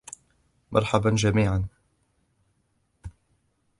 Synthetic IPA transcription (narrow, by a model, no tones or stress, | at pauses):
mʔɑ̰ɾˤħaband͡ʒamiːʕan